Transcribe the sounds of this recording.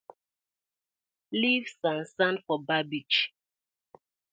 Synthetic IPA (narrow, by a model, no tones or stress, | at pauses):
livsãnsãndfɔbabit͡ʃ